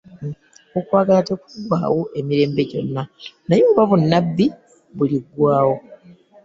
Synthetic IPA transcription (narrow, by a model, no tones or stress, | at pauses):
okwaːɡalatekuɡwa̰ːwoʔe̞miɾe̞ːmbe̞ɟo̞̰nːanajoːβaβunːabːi | βuliɡwaːwo̞